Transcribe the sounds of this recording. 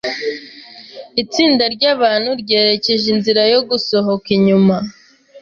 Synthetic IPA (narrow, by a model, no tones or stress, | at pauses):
it͡siːndaɾɟaːβaːnhuɾɟe̞ːɾe̞ce̞ʒinziɾajo̞ɡuso̞ɦo̞kiɲuma